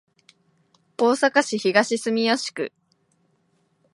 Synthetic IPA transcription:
o̞ːsakaɕiçiɡaɕisɨmʲijoɕi̥kɯ̟̰

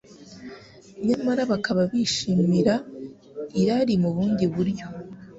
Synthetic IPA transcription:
ɲamaɾaβakaβaβiʃiːmiɾa | iɾaɾimuβuːndiβuɾjo̞

